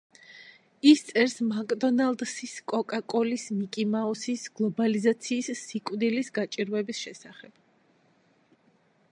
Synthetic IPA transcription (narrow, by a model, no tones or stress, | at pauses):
ist̪sʼɛɾsmakʼd̪ɔnalˠd̪siskʼɔkʼakʼɔlismikʼimaɔsisɡ̥lˠɔbalizat̪sʰiːsːikʼwd̪ilisɡat͡ʃʼiɾvwɛbisʃɛsaχɛb̥̚